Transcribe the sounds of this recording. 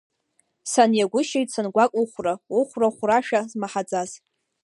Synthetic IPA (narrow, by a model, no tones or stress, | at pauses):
sanjaɡʷʊʃejtsanɡʷakʼuχʷrauχʷraχʷraʃᶣazmaħad͡zʼaz